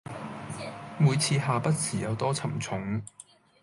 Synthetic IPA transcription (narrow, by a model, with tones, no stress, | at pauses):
muː˨˧jt͡sʰiː˧ɦaː˨pɐ˥t̚t͡sʰiː˨˩jɐ˨˧wt̪ɔː˥t͡sʰɐ˨˩mt͡sʰʊ˨˥ŋ